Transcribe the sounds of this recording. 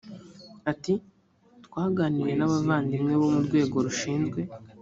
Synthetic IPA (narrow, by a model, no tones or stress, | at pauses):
ati | twaːɡaːniɾe̞naβavaːndimŋe̞βomuɾɡwe̞ːɡo̞ɾuʃiːnzɡwe̞